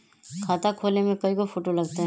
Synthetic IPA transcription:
kʰaːt̪akʰoːlnemẽkɐikofʰoːʈolɐɡ̚t̪eɦɛ

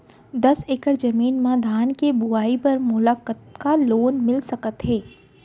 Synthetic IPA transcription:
d̪ɐseːkəɾd͡ʒɐmiːnmãd̪ʱaːnkebʊaːipɐɾmʊlaːkət̪kaloːnmɪlsɐkət̪ɦeː

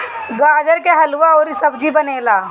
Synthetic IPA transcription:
ɡaːd͡ʒəɾkeɦɐlʋaɔːɾisɐbd͡ʒibɐneːlaː

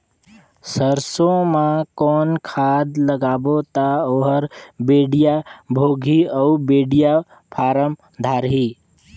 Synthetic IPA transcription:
səɾsõmãkɔːnkʰad̪ləɡaːbot̪aoɦəɾbeɖijabʱoɡʱiəubeɖija | pʰaɾəm | d̪ʱaɾɦi

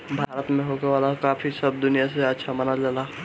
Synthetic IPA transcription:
bʱaːɾət̪mẽɦoːɡeʋaːlakaːfʰisɐb̚d̪ʊnijaseɐtːʃʰamɐnad͡ʒalaː

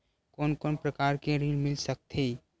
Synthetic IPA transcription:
kɔːnkɔːnpɾəkaːɾkeɾiːlmɪlsək̚t̪ʰeː

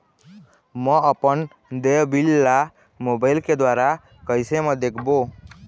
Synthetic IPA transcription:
məəpən | d̪ebilːa | mobaɪlked̪waɾa | kəjsemə̃d̪ekʰbo

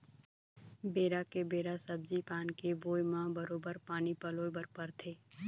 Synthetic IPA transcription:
beːɾakebeːɾasəb̚d͡ʒipaːnkeboːjmãːbəɾoːbəɾpaːnipɐloːbəɾpəɾt̪ʰeː

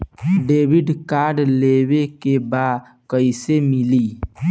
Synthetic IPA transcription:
ɖeːʋɪɖkaːɾɖlewekebad̪ | kəisemɪliː

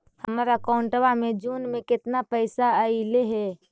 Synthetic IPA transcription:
həmɾakɔʊɳʈəʋamẽd͡ʒuːnmẽkɪt̪napəɪsaəileɦɛ

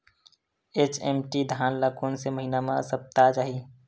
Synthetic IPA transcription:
et͡ʃemʈid̪ʱaːnlakoːnseməɦinamãsəp̚t̪at͡ʃaːɦi

